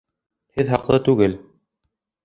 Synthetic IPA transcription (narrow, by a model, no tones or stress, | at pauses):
hɘðɦɑqlˠɤt̪ʉɡɘl